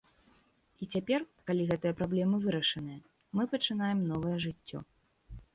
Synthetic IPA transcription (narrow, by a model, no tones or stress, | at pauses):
it͡sʲapʲɛrkalʲiɣɛt̪ɨjɐpɾablʲɛmɨvɨɾɐʂɐnɨjɐ | mɨpɐt͡ʂɨnajɛmnɔvɐjɐʐɨt͡sʲːɔ̰